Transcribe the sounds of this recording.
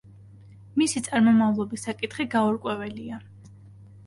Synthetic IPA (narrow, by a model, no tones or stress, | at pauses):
misit̪sʼaɾmɔmavlˠɔbisːakʼit̪ʰχiɡaɔɾkʼwɛvɛlia